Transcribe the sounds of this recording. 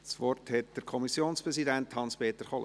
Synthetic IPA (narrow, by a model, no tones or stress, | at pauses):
sʋɔrthɛt̚d̥əɾkʰɔmisjoːnspɾɛsidænthɑnspeːt̪əɾχɔlə